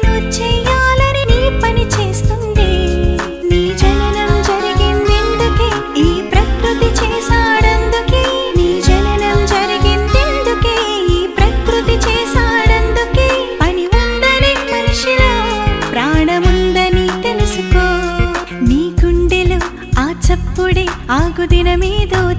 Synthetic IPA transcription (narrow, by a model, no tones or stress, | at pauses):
not͡ʃɛːjaːlɐniniːpɐnit͡ʃeːst̪uɳɖeː | niːd͡ʒɐnɐnɐmd͡ʒɐɾiɡind̪e̞nd̪ukeː | iːpɾɐkɾut̪it͡ʃɛːʃaːɽɐnd̪ukeː | niːd͡ʒɐnɐnɐmd͡ʒɐɾiɡind̪e̞nd̪ukeːiːpɾɐkɾut̪it͡ʃɛːʃaːɽɐnd̪ukeː | ɐniʋund̪ɐnimɐnɐʂiloːpɾaːɳɐmund̪ɐnit̪elusukoː | niːɡuɳɖilu | aːt͡ʃɐpːuɽiaːɡud̪inɐmiːd̪ɐː